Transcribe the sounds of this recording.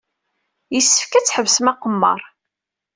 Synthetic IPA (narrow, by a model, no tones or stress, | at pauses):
jəsːə̥fkæt͡sːħəvsəmæqəmːɑ̰ɾˤ